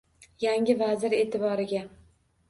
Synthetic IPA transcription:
jaŋʲɪvazɪɾe̞t̪ʰɪbɒɾɪɡʲa

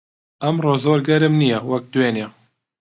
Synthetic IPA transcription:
ɛmroːzoːɾɡɛɾɨmnijɛwɛk̚d̪weːne

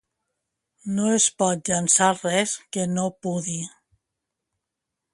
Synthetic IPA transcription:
noespɔt̪̚ʎansarɛskenopuði

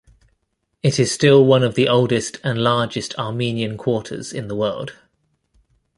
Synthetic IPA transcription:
ɪtʰɪz̥stɪlˠwʌ̃nəvðiʔɒʊlˠdɪstʰə̃nlɑːd͡ʒɪstʰɑːmĩːniə̃nkʰw̥ɔˑtʰə̰z̥ɪ̰̃nðəwɜːlˠd̥

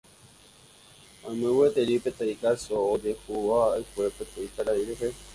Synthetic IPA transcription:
ãmẽwet̪eɾipet̪aikasoːd̪ehuwaːjkuepet̪eit̪aɾaiɾeɦe

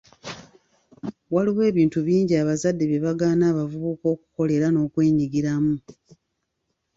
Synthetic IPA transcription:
waliwe̞ːβiːntuβiːɲɟiaβazadːe̞βje̞βaɡaːnaːβavuβuko̞ːku̥ko̞le̞ɾano̞ːkwe̞ːɲiɡiɾamu

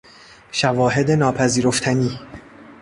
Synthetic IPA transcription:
ʃævɒːɦe̞d̪enɒːpʰæziːɾoft̪ʰæniː

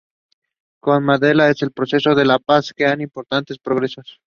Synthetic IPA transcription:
konmaðe̞lae̞se̞lpɾo̞se̞so̞ðe̞lapaskeanimpo̞ɾt̪ant̪e̞spɾo̞ɣɾe̞sos

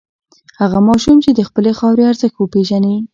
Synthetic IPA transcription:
haɣamɑʃumt͡ʃed̪əxpəlexɑwɾeaɾzəxt̪wəpeʒane

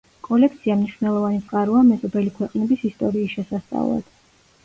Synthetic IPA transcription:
kʼɔlɛkʰt̪sʰiamniʃwvnɛlˠɔvanit̪sʼqʼaɾuamɛzɔbɛlikʰwɛqʼnɛbisist̪ʼɔɾiːsʃɛsast̪sʼa̰vlˠa̰d̪̥

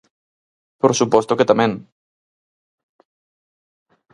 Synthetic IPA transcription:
poɾsupɔst̪oket̪amẽn

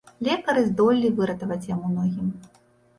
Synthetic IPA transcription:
lʲɛkɐɾɨzd̪ɔlʲːivɨɾɐt̪ɐvɐt͡sʲjamunɔɣʲim

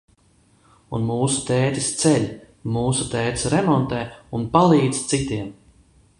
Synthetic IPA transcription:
unmuːsu̥t̪ɛːt̪i̥st̪sɛlʲ | muːsut̪ɛːt̪i̥sɾɛmɔnt̪ɛːunpalˠiːd̪zt̪sit̪iɛm

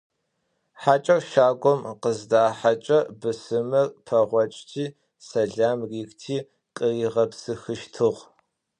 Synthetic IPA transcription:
ħat͡ʃʼɐrʃaːɡʷɔmqəzdaːħat͡ʃʼɐbɨsɨmɨrpʰɐʁʷɔt͡ʃʼtʰiː | sɐɮaːmriːktʰiː | qʼəiʁɐpsɨxɨʃtʰɨʁ

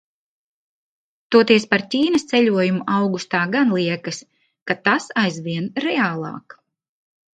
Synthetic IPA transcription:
t̪uɔt̪iɛspaɾtʲiːnɐst̪sɛʎʲuɔjumuʔawɡust̪aːɡanlˠiɛkɐs | kat̪asajzvʲiɛnɾɛaːlˠɑ̰ːk

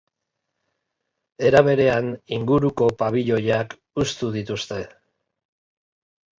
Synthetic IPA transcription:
e̞ɾaβe̞ɾe̞aniŋɡuɾuko̞paβ̞iʎo̞jak | ust̪uðit̪ust̪e̞

